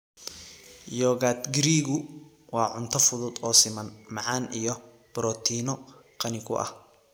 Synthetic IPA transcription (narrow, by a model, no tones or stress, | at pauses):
jɔːɣat̪ɡɪɾiːɣʊ | wɑːʕʊnt̪ʰɔfʊðʊd̪ɔːsɪmɐnmɑʕɑːnijɔ | b̥ɾɔːt̪ʰiːnɔqɐnɪkʰʊ̰ʔɐ̰h